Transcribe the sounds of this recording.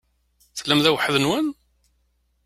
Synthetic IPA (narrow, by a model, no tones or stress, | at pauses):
θlːæmðæwəħəðənwæn